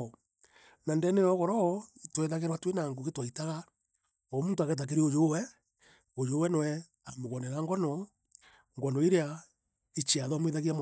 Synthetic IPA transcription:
nandɛneɾɔɣɔɾɔtwɛðaɣeɾwatwenaŋɡoɣetwaitaɣa | ɔmuːtoaɣɛt̬ak̬eɾeojowɛ | ojowɛnɔwɛ | amoɣɔnɛɾaŋɡɔnɔ | ŋɡɔnɔiɾea | it͡ʃiaðɔmweðaɣiam

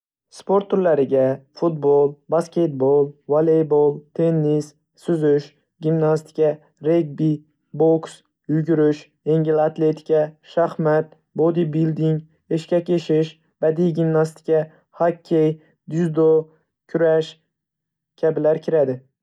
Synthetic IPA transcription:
spoɾt̪ʰːʊɾlaɾɪɡʲafʊt̪̚bolˠbaskʲe̞t̪̚bolˠvalejbolˠt̪ʰe̞nːisː | ʊzʊʃ | ɡʲimnast̪ʰɪ̥ka | ɾeɡ̚bi | boks | jʊɡʲʊɾʊʃ | e̞ŋʲɪlat̪le̞t̪ʰɪ̥kʲaʃahmat̪̚ | bod̪ibild̪iŋ | e̞ʃkʲakʲʰe̞ʃɪʃ | b̥ad̪iɡʲimnast̪ʰɪ̥ka | hokʲʰːej | d̪ɪzd̪o | kʲʰʊɾaʃ | kʲʰabɪlaɾkʲʰɪɾad̪ɪ

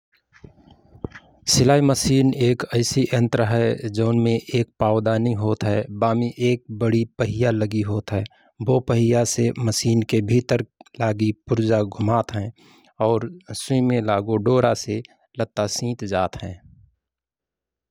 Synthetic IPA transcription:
sɪlaːiməsiːneːkɛɪsiʔɐ̃nt̪ɾəɦɛd͡ʒəʊnmẽʔeːk̚paːwd̪aːnĩɦoːt̪ɦɛbaːmiʔeːk̚bəɽipəɦɪjaləɡiɦoːt̪ɦɛː | boːpəɦɪjaseməsiːnkebʱiːt̪əɾlaːɡipʊɾd͡ʒaɡʱʊmaːt̪ɦɛ̃ː | ɔːɾsuĩmẽlaːɡoɖoːɾase | lət̪ːasĩːt̪d͡ʒaːt̪ɦɛ̃ː

